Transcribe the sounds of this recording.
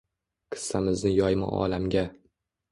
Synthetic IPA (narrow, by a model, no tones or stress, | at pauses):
qʰɨ̥sːamɪznɪjɒjma̰ɒ̰lamɡʲa